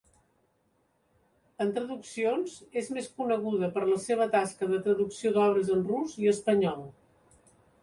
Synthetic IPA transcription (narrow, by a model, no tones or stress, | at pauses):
ənt̪ɾəðuksionzezmeskunəɣ̞uðəpəɾləseβ̞ət̪askəðət̪ɾəðuksioðɔβɾəzənruziəspəɲɔlˠ